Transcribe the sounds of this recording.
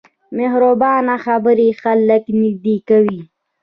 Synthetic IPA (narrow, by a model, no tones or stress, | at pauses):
mɪhɾobɑːnaxabəɾixalːəknɪd̪ikawi